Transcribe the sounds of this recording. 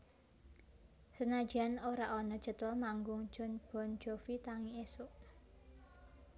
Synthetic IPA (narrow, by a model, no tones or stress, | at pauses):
sənad̥ʒ̥anoɾaʔonɔd̥ʒ̥ə̤t̪ʊlmaŋɡʊŋd̥ʒ̥ɔ̤nb̥ɔ̤n̥d͡ʒ̥ofit̪aŋiesoʔ